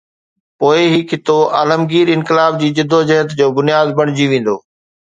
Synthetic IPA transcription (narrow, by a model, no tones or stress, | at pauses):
poːɪɦɪkʰɪt̪oʔaːləmɡiːɾɪ̃nkɪlaːbd͡ʑiːd͡ʑɪd̪ʱːod͡ʑɐɦət̪d͡ʑoːbʊnijaːd̪bɐɽ̃d͡ʑiʋẽːn̆d̪o̰ː